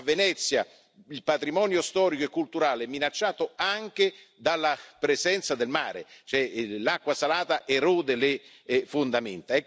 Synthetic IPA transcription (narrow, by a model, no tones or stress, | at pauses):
vːenɛt̪sːja | ilpat̪ɾimɔːnjost̪ɔːɾikoekːult̪uɾaːleɛmːinat͡ʃːaːt̪oaŋk̟ed̪alːapɾezɛnt̪sad̪elmaːɾḛt͡ʃoɛlakːwasalaːt̪aʔɛruːd̪elɪ | fond̪ament̪aɛ